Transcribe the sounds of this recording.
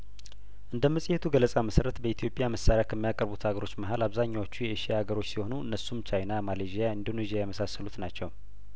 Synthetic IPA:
ʔɨnd̪əmːəsʼihet̪ʰuɡələsʼaməsəɾət̪bəit̪ʰijo̞pʼjaməsaɾejakʰəmːijakʼəɾbut̪haɡəɾo̞t͡ʃːməɦalaβzaɲːawot͡ʃːujɛɨʃiahaɡəɾo̞t͡ʃːsiho̞nuɨnːəsːumt͡ʃajnamaleʒijaɨnd̪o̞nezijajɛməsasːəlut̪nat͡ʃːɛw

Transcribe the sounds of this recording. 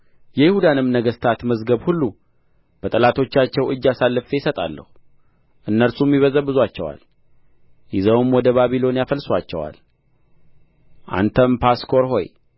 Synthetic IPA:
jɛjɪhud̪anɨmːnəɡəst̪ʰat̪məzɡəβhulːu | b̥ət̪ʼəlat̪ʰo̞t͡ʃːat͡ʃːɛwʔɨd͡ʒːasalːɨfejɪsət̪ʼa̰lːə̰hu | ʔɨnːəlsumːiβəzəβbɨzwat͡ʃːɛwa̰l | jɪzəwɨmwɔd̪əβaβilo̞njafəlswat͡ʃːɛ̰wa̰l | ʔa̰nt̪ʰəmpʰaskʰo̞ɾɦo̞̰j

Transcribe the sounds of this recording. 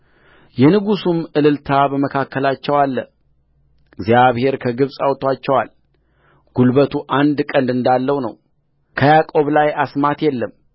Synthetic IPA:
jɛnɨɡusumɨlɨlt̪ʰabəməkʰakːəlat͡ʃːɛwalːə | ɨɡzijaβhe̞ɾkʰəɡɨβsʼawt̪ʰʼwat͡ʃːɛwa̰l | ɡ̥ulbət̪ʰuʔand̪kʼənd̪ɨnd̪alːəwnəw | kʰəjakʼo̞βlajasmat̪jɛlːəm

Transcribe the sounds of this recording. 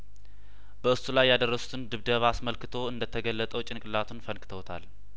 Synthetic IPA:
b̥əɨsulajːad̪ərːəsu̥t̪ʰɨnd̪ɨβd̪əβasməlkɨt̪ʰo̞ɨnd̪ət̪ʰəɡəlːət̪ʼəwt͡ʃʼɪnkʼɨlat̪ʰunfənkɨ̥t̪ʰəwt̪ʰa̰l

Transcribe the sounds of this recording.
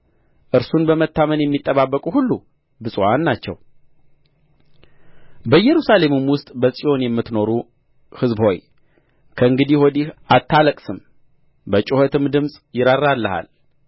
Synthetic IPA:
ʔɨɾsunbəmət̪ːamənjɛmːit̪ʼːəβabːəkʼuhulːu | bɨsʼwanːat͡ʃːɛ̰w | bəjːɛɾusale̞mɨmwʊst̪ʼbəsʼijo̞njɛmːɨt̪no̞ɾu | hɨzbho̞j | kʰəɨŋɡɨd̪ihod̪iʔat̪ʰːaləkʼsɨm | bət͡ʃʼuhət̪ɨmd̪ɨmsʼjɪɾarːalːəha̰l

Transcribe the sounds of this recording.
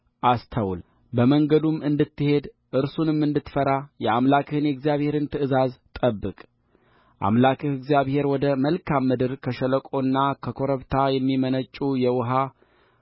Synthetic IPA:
ʔast̪ʰəwl | bəməŋɡəd̪umɨnd̪ɨt̪ːɨhe̞d̪ | ʔɨɾsunɨmːɨnd̪ɨt̪ːfəɾajɛamlakʰɨhɨnjɛɡzijaβhe̞ɾɨnt̪ʰɨʔɨzazt̪ʼəbːɨkʼ | ʔa̰mlakʰɨhɨɡzijaβhe̞ɾwɔd̪əməlkʰamːɨd̪ɨɾkʰəʃələkʼo̞nːakʰəkʰo̞ɾəβt̪ʰajɛmːimənət͡ʃʼujɛwʊɦa

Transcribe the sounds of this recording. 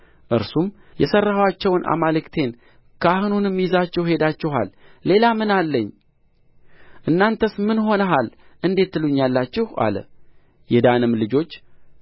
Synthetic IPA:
ʔɨɾsum | jɛsərːahwat͡ʃːɛwnʔa̰malɨkt̪ʰe̞n | kʰahɨnunɨmːijzat͡ʃːɛwhe̞d̪at͡ʃːɛha̰lːe̞lamɨnalːəɲː | ʔɨnːant̪ʰəsmɨnho̞nəɦalʔɨnd̪e̞t̪ːɨluɲːalːat͡ʃːɪha̰lə̰ | jɛd̪anɨmlɨd͡ʒo̞t͡ʃː

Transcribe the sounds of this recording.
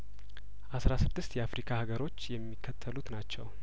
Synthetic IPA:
ʔasɾasɨd̪ːɨst̪jɛafɾikʰahaɡəɾo̞t͡ʃːjɛmːikʰːət̪ʰːəlut̪nat͡ʃːɛw

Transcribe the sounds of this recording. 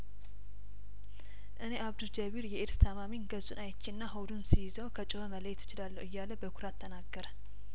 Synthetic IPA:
ʔɨne̞ʔaβd̪uld͡ʒəβiɾjɛʔeɾst̪ʰamaminɡəzʼunajt͡ʃːinːaɦəwd̪unsijɪzəwkʰət͡ʃʼɪhəmələjɛt̪ʰɪt͡ʃɪlalːəwɨjːaləbəkʰuɾat̪ʰːənaɡːəɾə

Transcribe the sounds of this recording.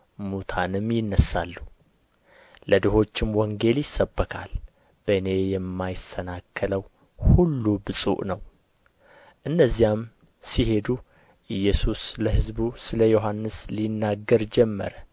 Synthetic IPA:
mut̪ʰanɨmjɪnːəsːa̰lːu | lʔəd̪əɦo̞t͡ʃːɪmwɔŋɡe̞ljɪsːəbːəkʰa̰l | b̥əɨne̞jɛmːajɪsənakʰːələw | hulːubɨsʼṵʔnəw | ʔɨnːəzːijam | siɦe̞d̪u | ʔɨjːɛsusləɦɨzbusɨləjo̞ɦanːɨslinːaɡːəɾd͡ʒɛmːə̰ɾə

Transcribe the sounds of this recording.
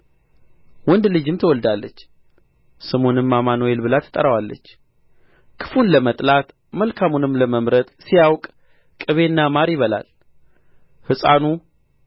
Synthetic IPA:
wɔnd̪lɨd͡ʒɨmt̪ʰəwɔld̪alːət͡ʃː | sɨmo̞nɨmːamanojelbɨlat̪ʰə̥t̪ʼəɾəwalːə̰t͡ʃː | kʰɨ̥funləmət̪ʼlat̪ | məlkʰamunɨmləməmɾət̪sijawkʼ | kʼɨβe̞nːamaɾjɪβəla̰l | hɨsʼanu

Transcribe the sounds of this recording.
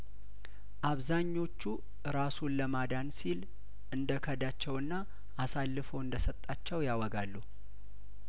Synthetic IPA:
ʔaβzaɲːo̞t͡ʃːu | ɨɾasunləmad̪ansil | ʔɨnd̪əkʰəd̪at͡ʃːɛwɨnːa | ʔːsalːɨfəwɨnd̪əsət̪ʼːat͡ʃːɛwjawɔɡalːu

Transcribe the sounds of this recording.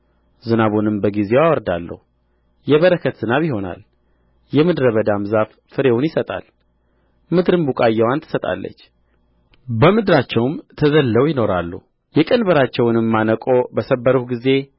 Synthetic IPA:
zɨnaβonɨmbəɡize̞wawɔɾd̪alːə̰hu | jɛβəɾəkʰət̪z̥ɨnaβjiho̞na̰l | jɛmɨd̪ɾəβəd̪amzaf | fɨɾe̞wunjɪsət̪ʼa̰l | mɨd̪ɾɨmbukʼajːɛwant̪ʰɨ̥sət̪ʼa̰lːə̰t͡ʃː | bəmɨd̪ɾat͡ʃːɛwmt̪ʰəzəlːəwjɪno̞ɾalːṵh | jɛkʼənbəɾat͡ʃːɛwnɨmːanəkʼo̞bəsəbːəɾuhɡize̞

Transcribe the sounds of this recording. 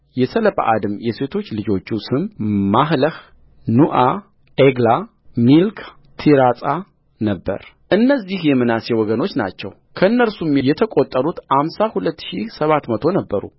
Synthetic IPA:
jɛsələpa̰ʔad̪ɨmjɛse̞t̪ʰo̞t͡ʃːlɨd͡ʒo̞t͡ʃːusɨmmaɦləh | nuʔa | ʔeɡla | milkʰ | t̪ʰiɾasʼa | nəbːə̰ɾ | ʔɨnːəzːihjɛmɨnasewɔɡəno̞t͡ʃːna̰t͡ʃːɛ̰w | kʰəɨnːəɾsumjɛt̪ʰəkʼot̪ʼːəɾut̪hamsahulət̪ːʃisəβat̪mət̪ʰo̞nəbːəɾṵ

